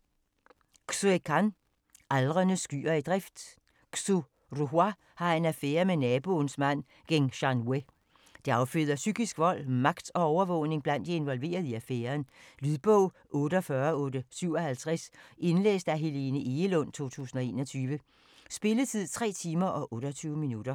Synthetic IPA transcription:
suekʰɑn | ʔælʁɐnəsɡ̥y̰ːɐid̥ʁɛfd̥ | su | ʁuɦwæ | hɑ̈e̝næfeːɐmenɛːb̥o̝nsmæn̰ | ɡ̥eŋɕɑnwe | d̥eɑ̈ʊføðˠɐsyɡ̥isɡ̥ʋɒ̽l̰mɑ̈ɡ̥d̥ɒ̽ɒʊɐʋɔʊ̰ne̝ŋb̥læn̰d̥ie̝nʋɒ̽lʋe̝̰ːɐð̞ˠiæfeːɐnlyðˠb̥ɔʊ̰ | ʔɔ̽ːɾəɒfɶɐɔ̽ːd̥əsyʊ̰ɒ̽hælt͡sʰʁasʔe̝nlḛːsd̥æɦe̝le̝nəʔelɔn̰t͡sʰo̝̰ːt͡sʰṵːsn̩ɒ̽e̝̰ːnɒ̽t͡sʰyːʋə | sb̥e̝lət͡sʰið̰ˠt͡sʰʁɛ̰ːt͡sʰiːmɐʔɒ̽ʔɔ̽ːɾ̥ɒt͡sʰyːʊminud̥ɐ

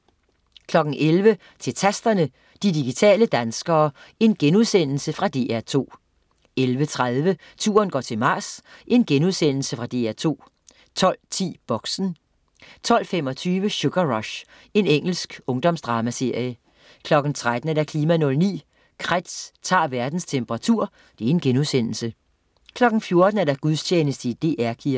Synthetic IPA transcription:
kʰlɒ̽ɡ̥n̩ʔelʋə | t͡sʰe̝lt͡sʰæsd̥ɐnə | d̥idiɡ̥it͡sʰɛ̰ːləd̥ænsɡ̥ɐːe̝nɡ̥enuðˠsen̰l̩səfʁɑ̈d̥e̝̰ːæɐ̰t͡sʰo̝̰ː | elʋət͡sʰʁaðˠʋə | t͡sʰṵːɐnɡ̥ɒ̰ːt͡sʰe̝mɑ̈ːsʔe̝nɡ̥enuðˠsen̰l̩səfʁɑ̈d̥e̝æɐt͡sʰo̝̰ː | t͡sʰɒ̽l̰t͡sʰḭːb̥ɒ̽ɡ̥sn̩ | t͡sʰɒ̽l̰femɒ̽t͡sʰyːʋəɕoɡ̥ɐʁɒɕ | e̝neŋ̰l̩sɡ̥ɔ̽ŋd̥ɒ̽msd̥ʁɑ̈ːmæse̝ɐ̰jə | kʰlɒ̽ɡ̥n̩t͡sʰʁad̥n̩æɐɾ̥æ̈kʰliːmænɔ̽lnḭː | kʰʁad̥st͡sʰɑ̰̈ːʋæɐd̥n̩st͡sʰemb̥əʁɑ̈t͡sʰuɐ̰ | d̥e̝æɐe̝nɡ̥enuðˠsen̰l̩sə | kʰlɒ̽ɡ̥n̩fjo̝ɐd̥n̩æɐdæɡ̥uðˠt͡ɕʰeːnəsd̥əid̥e̝̰ːʔæɐkʰiɐ

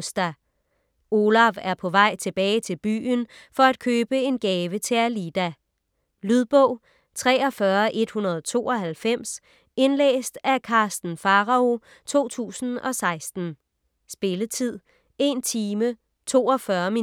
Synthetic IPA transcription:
sd̥æ | o̝læʋæɐpʰɒ̽ʋɑ̈ɪ̰t͡sʰe̝b̥ɛːɪt͡sʰe̝lb̥y̰ːnfɒ̽æd̥̚kʰøːb̥əe̝nɡ̥ɛːʋət͡sʰe̝ælid̥æ | lyðˠb̥ɔ̽ʊ̰ | t͡sʰʁɛ̰ːɒ̽fɶːɐʔe̝d̥hunɐð̞ˠt͡sʰo̝̰ːɒ̽ɦælfem̰s | e̝nlḛːsd̥ækʰɑ̈ːsd̥n̩fɑ̈ʁɑo̝ | t͡sʰo̝̰ːt͡sʰṵːsn̩ɒ̽sɑ̈ɪsd̥n̩ | sb̥e̝lət͡sʰið̰ˠ | e̝nt͡sʰiːmə | t͡sʰo̝̰ːɒfɶɐmi

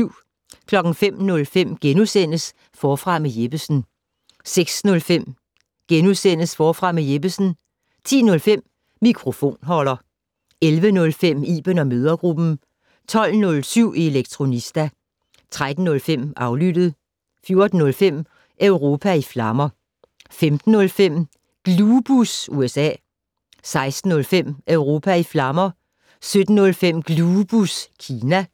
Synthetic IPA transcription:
ʊ̰ | kʰlɒ̽ɡ̥n̩fem̰nɔ̽lfem̰ɡ̥enusen̰əs | fɒːfʁɑ̈mejeb̥əsn̩ | seɡ̥snɔ̽lfem̰ | ɡ̥enuðˠsen̰əsfɒːfʁɑ̈mejeb̥əsn̩ | t͡sʰḭːnɔ̽lfem̰ | mikʰʁo̝fo̝̰ːnɦɒ̽l̰ɐ | elʋənɔ̽lfem̰ḭːb̥ənɒ̽møːð̞ˠɐɡ̥ʁub̥n̩ | t͡sʰɒ̽l̰nɔ̽lsyʊ̰ʔie̝leɡ̥̚t͡sʰʁo̝nisd̥æ | t͡sʰʁad̥n̩ːɔ̽lfem̰ʔɑ̈ʊlyd̥ð̞̩ˠ | fjo̝ɐd̥n̩ɔ̽lfem̰ | ʔøʊʁo̝ːpʰæiflɑ̈mɐ | femd̥n̩ːɔ̽lfem̰ | ɡ̥lub̥usuesɛ̰ː | sɑ̈ɪsd̥n̩ːɔ̽lfem̰ʔøʊʁo̝ːpʰæiflɑ̈mɐ | sød̥n̩ːɔ̽lfem̰ɡ̥lub̥uskʰiːnæ

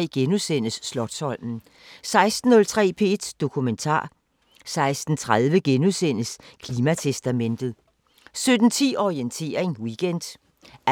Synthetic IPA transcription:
ɡ̥enusen̰əsːlɒ̽ɡ̥sɒ̽l̰mn̩ | sɑ̈ɪsd̥n̩ːɔ̽lt͡sʰʁɛ̰ːpʰe̝d̥d̥o̝kʰument͡sʰɑ̰̈ː | sɑ̈ɪsd̥n̩t͡sʰʁað̞ˠʋəɡ̥enusen̰əskʰliːmæt͡sʰesd̥æmen̰d̥ð̩ˠ | sød̥n̩t͡sʰḭːɒient͡sʰe̝̰ːɐeŋwiɡ̥end̥

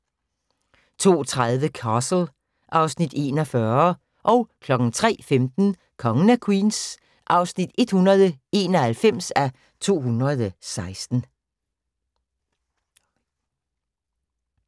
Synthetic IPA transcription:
t͡sʰo̝̰ːt͡sʰʁaðˠʋəkʰɑsl̩ | ʔɑ̈ʊsnid̥e̝ːnɒfɶɐ | ʔɒ̽ʊkʰlɒ̽ɡ̥n̩t͡sʰʁɛ̰ːfemd̥n̩ | kʰɒ̽ŋənəkʰwiːns | ʔɑ̈ʊsnid̥e̝d̥hunɐð̞ˠəe̝ːnɒhælfem̰sæ | t͡sʰo̝̰ːɦunʁɐðˠsɑ̈ɪsd̥n̩

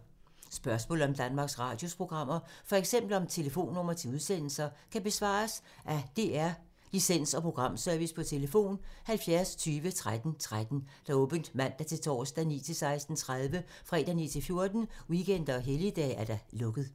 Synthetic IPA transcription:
sb̥ɶɐsmɔ̰ːl̩ɒ̽md̥ænmɑ̈ːɡ̥sʁɑ̈ːd̥jo̝spʰʁo̝ɡ̥ʁɑ̈m̰ɐfɒ̽eɡ̥sem̰b̥l̩ɒ̽mt͡sʰe̝ləfo̝̰ːnːɔ̽m̰ɐt͡sʰe̝luð̞ˠsen̰l̩sɐkʰæb̥e̝sʋɑ̰̈ːs | ʔæd̥e̝æɐ | lisen̰sɒ̽pʰʁo̝ɡ̥ʁɑ̈m̰sœɐʋispʰɒ̽t͡sʰe̝ləfo̝̰ːnhælfjæɐst͡sʰyːʋət͡sʰʁad̥n̩t͡sʰʁad̥n̩d̥ɑ̈ɔ̽ːb̥ən̩d̥mæn̰d̥ɑæt͡sʰe̝lt͡sʰɒ̰ːsd̥ænḭːt͡sʰe̝lsɑ̈ɪsd̥n̩t͡sʰʁað̞ˠʋə | fʁɛ̰ːd̥ænḭːt͡sʰe̝lfjo̝ɐd̥n̩wiken̰d̥ɐɒɦelid̥ɛ̰ːæɐd̥ɑ̈lɔ̽ɡ̥ð̩ˠ

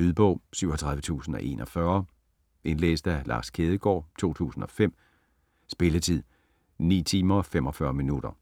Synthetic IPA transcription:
yðˠb̥ɔ̽ʊ̰syʊ̰ɒt͡sʰʁɑ̈ðˠʋət͡sʰṵːsn̩ɒ̽ʔe̝̰ːnɒfɶɐ | e̝nlḛːsd̥ælʔɑ̰̈ːskʰeːðˠəɡ̥ɒ̰ːt͡sʰo̝̰ːt͡sʰṵːsn̩ɒ̽fem̰ | sb̥e̝lət͡sʰið̰ˠ | nḭːt͡sʰiːmɐɒfem̰ɒ̽fɶɐminud̥ɐ

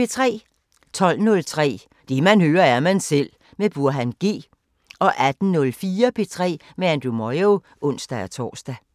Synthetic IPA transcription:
e̝t͡sʰʁɛ̰ː | t͡sʰɒ̽l̰nɔ̽lt͡sʰʁɛ̰ː | d̥emænhøːɐæɐmænsel̰ | meb̥uɐ̰ɦænɡ̥e̝̰ː | ɒ̽ʔæd̥n̩nɔ̽lfiːɐpʰe̝t͡sʰʁɛ̰ː | meænd̥umɒɪo | ʔɔ̽n̰sd̥ææt͡sʰɒ̰ːsd̥æ

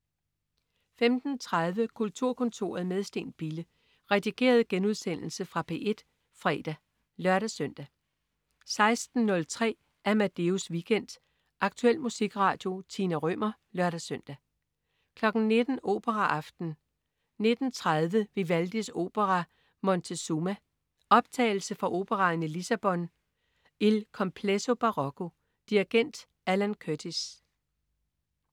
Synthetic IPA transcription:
femd̥n̩t͡sʰʁað̞ˠʋəkʰult͡sʰuɐ̰kʰɔ̽nt͡sʰo̝̰ːɐð̞̩ˠmeð̞ˠsd̥e̝̰ːn̥b̥ilə | ʁɛd̥iɡ̥e̝̰ːɐð̞̩ˠɡ̥enuðˠsen̰l̩səfʁɑ̈pʰe̝̰ʔe̝d̥ | fʁɛ̰ːd̥æ | lɶɐɾ̥æsøn̰d̥æ | sɑ̈ɪsd̥n̩ːɔ̽lt͡sʰʁɛ̰ː | æɐmæd̥e̝usʋiɡ̥en̰d̥ | ʔɑ̈ɡ̥̚t͡sʰuel̰musiɡ̥ʁɑ̰̈ːd̥jo̝t͡sʰinæʁœm̰ɐ | lɶɐɾæsøn̰d̥æ | kʰlɒ̽ɡ̥n̩ne̝d̥n̩o̝̰ːb̥əʁɑʔɑ̈fd̥n̩ | ne̝d̥n̩t͡sʰʁaðˠʋəʋe̝ʋæld̥iso̝̰ːb̥əʁɑ | mɒ̽nt͡sʰe̝sumæ | ɒ̽b̥̚t͡sʰɛ̰ːɪl̩səfɒ̽ʔo̝ːb̥əʁɑ̈nilisæb̥ɒ̽n | elkʰɒ̽mpʰleso̝b̥ɑ̈ʁɒ̽kʰo̝ | d̥iʁiɡ̥en̰d̥ | ælænkʰød̥is

